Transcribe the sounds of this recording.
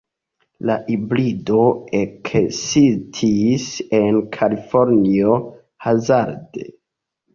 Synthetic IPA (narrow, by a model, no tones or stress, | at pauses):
laʔiblido̞eksistʰise̞nkʰalifo̞ɾnio | hazaɾde